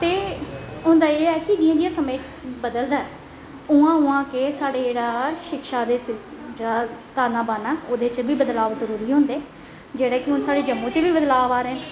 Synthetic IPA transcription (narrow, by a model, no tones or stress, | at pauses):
t̪eːʊ̃nd̪aːeːɛːkɪd͡ʒiːãːd͡ʒɪjãːsəmeː | bəd̪əld̪aːɛ | ʊãːʊãːkeːsaːɽeːd͡ʒeːɽaːʃɪkʃaːd̪eːd͡ʒeːɽaːt̪aːnaːbaːnaːoːd̪eːt͡ʃbiːbəd̪laːʋzəɾuːɾiːɦʊ̃ːnd̪eː | d͡ʒeːɽaːkɪɦʊnsaːɽeːd͡ʒəmːõːt͡ʃʋiːbəd̪laːʋaːɾɛ̃ː